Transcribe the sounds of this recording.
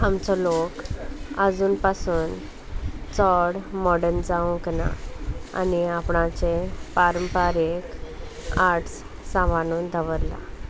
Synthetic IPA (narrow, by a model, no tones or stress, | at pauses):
amt͡sɔlokəd͡zuːnpasuːn | t͡sɔɽmɔɽənd͡zaũkna̰a̰niapɳãt͡sepaɾəmpaɾek | aɾʈs | sãʋanuːnd̪ʱəʋəɾla̰